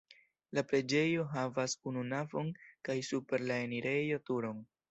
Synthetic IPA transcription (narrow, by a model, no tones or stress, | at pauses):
lapɾe̞d͡ʒe̞jo̞ɦavasununavo̞nkajsupe̞ɾlae̞niɾe̞jo̞tuɾo̞n